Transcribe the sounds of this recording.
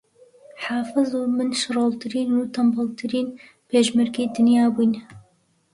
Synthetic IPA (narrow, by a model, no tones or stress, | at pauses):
ħaːfɨzuːmɨnʃɨroːlt̪ʰɨɾiːnuːt̪ʰɐmbɨlt̪ʰɨɾiːn | pʰeːʒmɛɾɡiːd̪ɨnjaːbujn